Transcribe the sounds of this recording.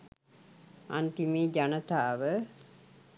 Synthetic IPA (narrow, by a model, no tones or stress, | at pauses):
a̰nt̪imiːd͡ʒanɐt̪aːʋə